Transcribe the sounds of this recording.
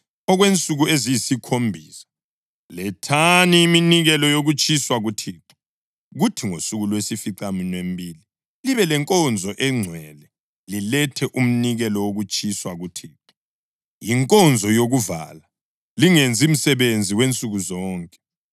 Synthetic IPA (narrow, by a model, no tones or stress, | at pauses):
ɔɣwent͡sʼuɣuezijisikʰombʱiːsḁ | lɛtʰaniiminiɣɛlɔjoɣut͡ʃʼiswaɣutʰiːǁu̥ | ɣutʰiŋosuɣulwesifiǀaminwem̩bʱiːli | liβɛlɛŋkʼɔnd͡zʱɔʔɛŋ͡ǀʱwɛlɛ | lilɛtʰɛʔum̩niɣɛlɔwoɣut͡ʃʼʰiswaɣutʰiːǁu | jiŋkʼɔnd͡zʱɔjoɣuva̰la | liŋend͡zʱim̩sɛβend͡zʱiwent͡sʼuɣuzɔːŋkʼɛ̥